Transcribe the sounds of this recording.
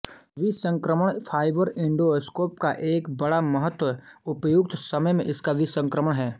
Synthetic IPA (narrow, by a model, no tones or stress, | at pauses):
ʋisə̃ŋkɾəməɽ̃pʰaːɪbəɾɪ̃ɳɖoskoːpkaʔeːkbɐɽaməɦət̪wəʊpjʊɡ̚t̪sɐməjmẽʔɪskaʋisə̃ŋkɾəməɽ̃ɦɛː